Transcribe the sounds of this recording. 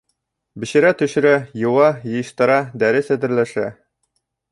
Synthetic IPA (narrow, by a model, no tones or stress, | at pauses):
bɘ̆ɕɘ̆ɾæt̪ɵ̆ʃɘ̆ɾæjɤ̆wɑjɤ̆jɤ̆ʃt̪ɤ̆ɾɑd̪æɾɘsæd̪ɘ̆ɾlæʃæ